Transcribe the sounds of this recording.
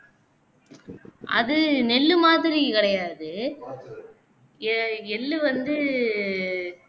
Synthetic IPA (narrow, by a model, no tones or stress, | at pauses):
ʔɐ̰ðɯnɛlːɯmaːðɪɾikɪɽɐjaːðɯ | ɛlːɯʋɐnd̪ɯ